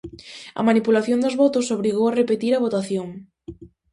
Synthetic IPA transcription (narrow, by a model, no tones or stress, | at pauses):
ɐ̰manipulaθjond̪ozβɔt̪ʊsoβ̞ɾiɣowarepet̪iɾɐβ̞ot̪aθjoŋ